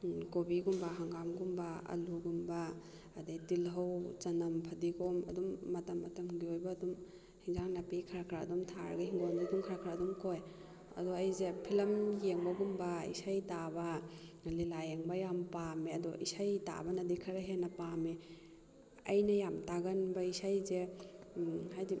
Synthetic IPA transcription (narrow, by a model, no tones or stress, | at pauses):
kobiɡumbɐɦaŋɡamɡumbɐɐ̰luɡumbɐː | dejtilɦɐwt͡ʃɐnɐmpʰɐdiɡomɐ̰dumːɐtɐmːɐtɐmɡiojbɐːdum | hiŋzaŋlapikʰɐɾakʰɾa̰ːdumtʰaɾɡɐɦiŋɡonɡidumkʰɐɾakʰɾaːdumkoj | ɐ̰dɔɐjzepʰilɐmjeŋbɐɡumbɐḭsajtabɐ | lilajeŋbɐjampamiɐdɔʔisajta̰bɐnɐdikʰɐɾɐɦenːɐpami | ɐjnɐjamtaɡɐnbɐisajze | ɦajdi